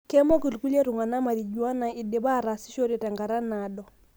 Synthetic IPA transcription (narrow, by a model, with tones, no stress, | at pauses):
kɛ˦mɔ˦ki˨lku˦lɛ˦ɾu˨ŋa˨na˦ma˨ɾi˨d͡ʒwa˦na˨i˨de˨βa˦ɾa˨si̥˦ʃo˦ɾe˨ta˨ŋɡa˨ɾa˦na˦ɗɔ˨